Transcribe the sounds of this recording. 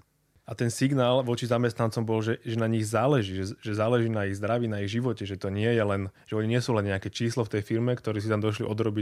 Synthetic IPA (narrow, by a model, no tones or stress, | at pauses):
at̪ɛnsiɡnaːlʋɔt͡ʃizamɛst̪nant͡sɔmbɔlʒɛʒɛnaɲiɣzaːlɛʒiːɛʒɛzaːlɛʒiːnaiɣzd̪ɾaʋiːnaiɣʒiʋɔcɛʒɛt̪ɔɲɪɛjɛlɛnʒ̥ɛɔɲiɲɪɛsuːlɛnɲɛakɛt͡ʃiːslɔft̪ɛjfiɾmɛkt̪ɔɾiːs̬it̪amd̪ɔʃlḭʔɔd̪ɾɔbi